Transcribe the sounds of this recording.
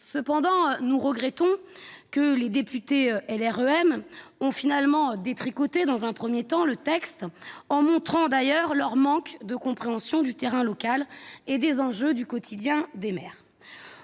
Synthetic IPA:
səpɑ̃d̪ɑ̃nuʁəɡʁɛt̪ɔ̃kəled̪epyt̪eøɛlɛʁøɛmɔ̃finalmɑ̃d̪et̪χikɔt̪ed̪ɑ̃zɛ̃pχəmjet̪ɑ̃lət̪ɛkst̪ɑ̃mɔ̃t̪χɑ̃d̪ajœʁlœʁmɑ̃kd̪əkɔ̃pχeɑ̃sjɔ̃d̪yt̪eʁɛ̃lɔkaled̪ezɑ̃ʒød̪ykɔt̪ʰid̪jɛ̃d̪emɛːʁ

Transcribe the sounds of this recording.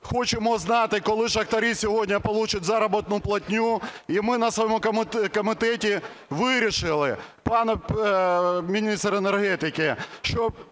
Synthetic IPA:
xɔt͡ʃemɔznɑt̪ɪkɔlˠɪʃɐkt̪ɐɾisʲɔɦɔdʲnʲɐpɔlˠut͡ʃʊtʲzɑɾɐbɔt̪nʊplˠɐtʲnʲuimɪnɐsʋɔjɔmʊkmkɔmɪt̪ɛtʲi | ʋɪɾʲiʃɪlˠɪ | pɑn | mʲinʲist̪renerɦɛt̪ɪkɪʃt͡ʃɔ

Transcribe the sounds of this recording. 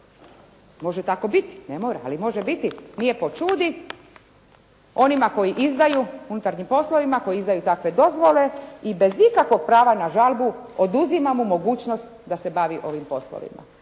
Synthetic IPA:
mo̞ʒet̪ako̞bit̪i̥nemo̞ːɾaa̰limo̞ʒebit̪inijepo̞t͡ʃuːd̪i | o̞nimako̞jiʔizd̪ajuunut̪aɾɲimpo̞slˠo̞ʋimako̞jiizd̪ajut̪akʋe̞d̪o̞zʋo̞le̞ibe̞zikakʋo̞ɡ̚pɾaːʋanaʒalbuod̪uzimamumo̞ɡuːt͡ɕno̞st̪d̪ase̞baʋiʔo̞ʋimpo̞slo̰ʋḭma̰

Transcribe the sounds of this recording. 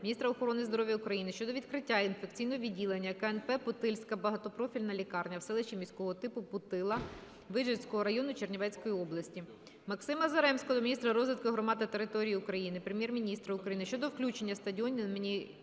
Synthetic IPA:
mʲnʲist̪ɾɐɔxɔɾɔnɪzd̪ɔɾɔʋjɐʊkɾɐjinɪʃt͡ʃɔd̪ɔʋʲid̪̚kɾɪtʲːainfekt͡sʲijnɔɦɔʋʲidʲilˠenʲːɐkɐɛnpɛpʊt̪ɪlʲsʲkɐbɐɦɐt̪ɔpɾɔfʲilʲnɐlʲikɑrnʲɐwsɛlˠɪʃt͡ʃʲimʲisʲkɔɦɔɔt̪ɪpʊpʊt̪ɪlˠɐ | ʋɪʒet͡sʲkɔɦɔɾɐjɔnʊt͡ʃernʲɪʋɛt͡sʲkɔjiɔblˠɐsʲtʲi | mɐksɪmɐzɐɾɛmsʲkɔd̪ɔmʲnʲist̪ɾɐɾɔzʋʲɪt̪kɪɦɾɔmɑd̪ɐt̪eɾɪt̪ɔɾʲijiʊkɾɐjinɪpɾemʲjɛrmʲinʲist̪ɾɐʊkɾɐjinɪʃt͡ʃɔd̪ɔwklʲut͡ʃenʲːɐst̪ɐdʲiɔnʲimʲi

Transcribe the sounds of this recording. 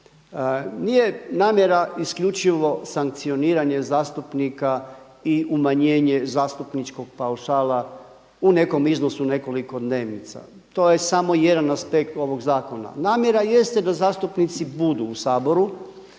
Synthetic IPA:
nijenaːmje̞ɾaiskʎʲut͡ʃiʋo̞saŋk̚t̪sio̞niːɾaɲe̞zaːst̪upnika | iumaɲe̞ːɲe̞zaːst̪upnit͡ʃko̞ɡ̚pauʃaːla | une̞ko̞mizno̞sune̞ko̞liko̞d̪ne̞ːʋnit̪sa̰ | t̪o̞ːjesamo̞je̞d̪anaspe̞kt̪o̞ʋo̞ɡzaːko̞na̰naːmʲje̞ɾaje̞st̪ed̪azaːst̪upnit̪sibud̪uːsaːbo̞ɾu

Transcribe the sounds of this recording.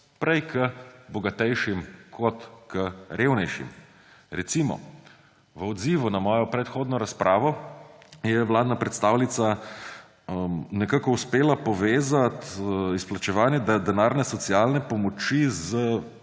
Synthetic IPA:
pɾɛjkʰəbɔɡat̪ɛjʃimkʰɔt̪kəɾewnɛjʃḭm | ɾɛt̪simɔ̰ | ʋəɔd̪ziːʋunamɔːjɔpɾɛt̪xoːd̪nɔɾaspɾʔaːʋɔ | jɛwlaːd̪napɾɛt̪st̪aːwlit̪sa | nɛkakɔuspeːlapɔʋeːzat̪isplat͡ʃɛʋaːnjɛd̪d̪ɛnaːɾnɛsɔt̪sialnɛpɔmɔt͡ʃizə

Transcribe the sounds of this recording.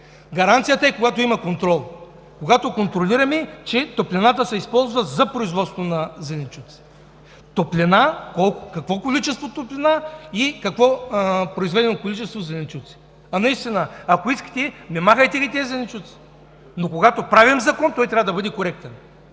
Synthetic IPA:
ɡɐɾant̪sijət̪ɐɛkoɡat̪oimɐkont̪ɾɔlˠ | koɡat̪okont̪ɾolʲiɾɐmɛt͡ʃɛt̪oplʲɛnat̪əsɛispɔlˠzvɐzɐpɾoizvɔt̪st̪vonɐzɛnʲɛt͡ʃut̪si̥ | t̪oplʲɛnakɔlˠkʊkɐkvɔkolit͡ʃɛst̪vot̪oplʲɛnaikɐkvɔpɾoizvɛd̪ɛnokolit͡ʃɛst̪vozɛnʲɛt͡ʃut̪si̥ | ɐnɐist̪inɐɐkoiskə̥t̪ɛmɛmaxɐjt̪ɛɡʲit̪ʲɛɛzɛnʲɛt͡ʃut̪si̥ | nokoɡat̪opɾavimzɐkɔnt̪ɔjt̪ɾʲavəd̪ɐbɤd̪ɛkoɾɛk̚t̪ɛn

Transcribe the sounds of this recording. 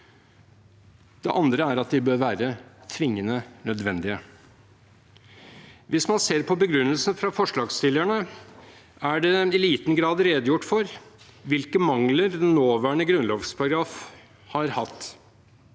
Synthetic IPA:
d̪̥ɛ̰ʔɑnd̪ɾəæɾɑt̪̚d̪ɪbøːɾʋæːɾət̪ʰʋɪŋːənənœd̪ʋɛnd̪ɪə | ʋɪsmɑnseːɾpʰɔbəɡɾʉnːəlsn̩fɾɑfɔʂɭɑːɡst̪ɪlæɳə | æɖɛɪliːt̪n̩ɡɾɑːd̪ɾeːd̪jʊʈːfɔɾ | ʋɪlkəmɑŋləɾd̪ɛnːoːʋæːɳəɡɾʉnlɔːfspʰɑɾɑɡɾɑːf | hɑɾhɑt̪ː

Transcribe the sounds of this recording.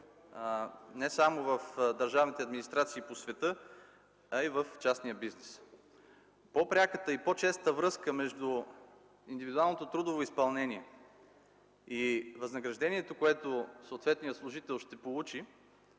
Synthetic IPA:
nɛsamovəfd̪ɐɾʒavnit̪ɛɐd̪minist̪ɾat̪siːposvɛt̪ɤ | ɐivəft͡ʃasnijəbiznɛs | popɾʲakət̪əipot͡ʃɛst̪əvɾɤskəmɛʒd̪u | ind̪ivid̪ualˠnot̪ot̪ɾud̪ovoispɐlˠnɛniɛ | ivɐznəɡɾɐʒd̪ɛniɛt̪okoɛt̪osoːt̪vɛt̪nijəslˠʊʒit̪ɛlˠʃt̪ɛpolˠut͡ʃi

